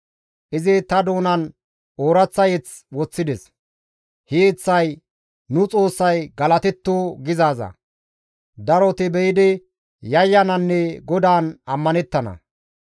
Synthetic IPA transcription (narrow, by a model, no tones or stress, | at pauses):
ʔɪzɪt̪ɐd̪o̞ːnɐn | oːɾɐt͡sːɐjɛt͡s | wɔt͡sːɪd̪ɛs | het͡sːɐj | nʊt͡sʼo̞ːsːɐjɡɐlɐt̪ɛt̪ːoːɡɪzaːzɐ̰ | d̪ɐɾɔt̪ɪbɛjɪd̪ɪ | jɐjːɐnɐnːɛɡɔd̪aːnɐmːɐnɛt̪ːɐnɐ̰